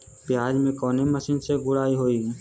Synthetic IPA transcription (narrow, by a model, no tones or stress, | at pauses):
pjaːd͡ʒmẽkɔːneməsɪnseɡʊɽaːiɦoːi